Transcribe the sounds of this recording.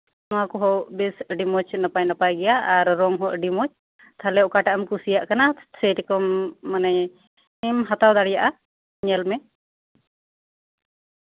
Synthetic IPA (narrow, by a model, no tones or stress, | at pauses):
nɔwakɔɦɔwʔbisɖimɔt͡ʃnapajnapajɡɛjaːɾːɔŋɦɔʔɖimɔt͡ʃ | t̪ʰalɛɔkaʈaʔamkusijaʔkanasɛjʈkɔmːanɛ | imɦat̪awd̪aɽijaʔa | ɲɛlmɛ